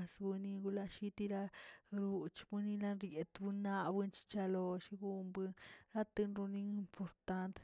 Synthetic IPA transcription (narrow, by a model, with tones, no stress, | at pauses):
sbɨ˧ni˧ɡu˧la˧ʃi˦t̪i˦ɾa˦ɾu˧t͡ʃbɨ˦ni˦˧la˦nɾje˨t̪bu˧nːa˦bɨ˧nt͡ʃi̥˦t͡ʃa˧lo˧ʃi˧ɡu˦mbɨ˧nɾa˦t̪ɨ˧nɾu˧ni˧i˧mpʰo˨ɾt̪a˧˦nt̪